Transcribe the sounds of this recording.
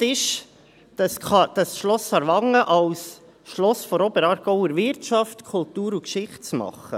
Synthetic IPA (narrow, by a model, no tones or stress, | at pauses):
tɪʃ | d̥ɑsχɑd̪̥ɑsʃlɔsɑɾʋɑŋːəʔɑws | ʃlɔsfɔɾɔbəɾɑːɾɡ̥ɔʊəɾvɪɾtt͡ʃɑftkʰult̪uːɾukʃɪχtt͡smɑ̰χə̰